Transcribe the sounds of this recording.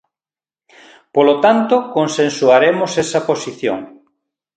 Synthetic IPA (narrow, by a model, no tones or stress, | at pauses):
polot̪ant̪ʊkonsẽnsuaɾemosesɐposiθjo̰ŋ